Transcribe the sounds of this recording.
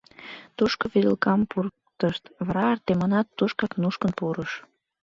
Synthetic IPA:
t̪uʃkoβiɾəlkɑmpur | t̪əʃt̪vɾɑrt̪emɑnɑt̪ːuʃkɑknuʃkənpuɾəʃ

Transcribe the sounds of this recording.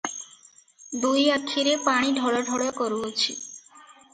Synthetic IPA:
d̪ujakʰːiɾepaɽ̃iɖʱɔɭaɖʱɔɽakɔɾuɦot͡ɕʰḭ

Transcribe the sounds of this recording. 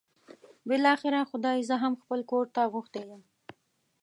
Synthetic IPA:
bɪlɑxɪɾaxʊd̪ɑjzəɦamxpəlkoɾt̪aɣuxt̪ejəm

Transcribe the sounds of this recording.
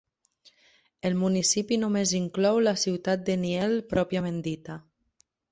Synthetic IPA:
elmunisipinumeziŋklɔwlasiwt̪at̪̚d̪eniɛlpɾɔpjamend̪it̪a

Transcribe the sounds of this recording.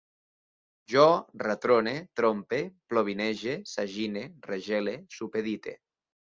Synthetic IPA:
ʒɔrat̪ɾonet̪ɾompeploβ̞inɛʒesaʒinereʒɛlesupeðit̪ḛ

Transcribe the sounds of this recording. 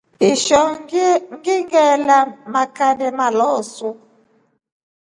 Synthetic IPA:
iʃɔŋ̩ɡiŋɡɛlamakanɛmalɔsu

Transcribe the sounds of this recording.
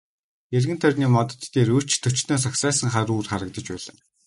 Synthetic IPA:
erɣɘ̆nt̪ʰœrʲniːmɔt̪ɞ̥̆t̪ːeːɾɵ̥t͡ɕt̪ʰːɵt͡ɕt̪ɘ̆ːns̬aksæːsə̆ŋχaɾuːrχaɾə̆k̚t̪ə̆t͡ɕpæːɮə̆n

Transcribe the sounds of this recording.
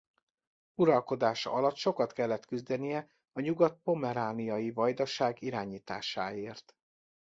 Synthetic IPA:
uɾɒlko̞d̪aːʃɒ̰ɒlɒt̪ːʃo̞kɒt̪kɛlːɛt̪kyzd̪ɛnijɛ | ɒɲuɡɒt̪̚po̞mɛɾaːnijɒjivɒjd̪ɒʃaːɡiɾaːɲiːt̪a̰ːʃaːeːrt̪

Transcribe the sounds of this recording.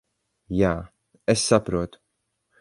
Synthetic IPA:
jaː | ɛsːɐpɾɔːt̪

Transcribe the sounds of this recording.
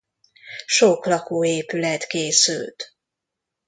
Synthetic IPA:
ʃoklɒkoːeːpylɛt̪keːsy̰lt̪

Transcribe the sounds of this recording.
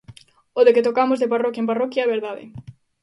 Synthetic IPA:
oðeket̪okamozðeparɔkjaɐẽmparɔkjaɛβeɾðaðɪ̰

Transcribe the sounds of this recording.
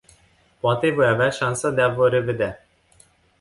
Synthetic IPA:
poat̪evo̞javeaʃansəd̪eavəɾe̞ved̪ea

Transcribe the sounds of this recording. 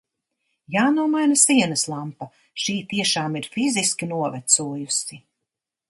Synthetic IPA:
jaːnuɔmajnasiɛnɨslˠampa | ʃiːt̪iɛʃaːmiɾfiziskʲinuɔvɛt̪suɔjusi

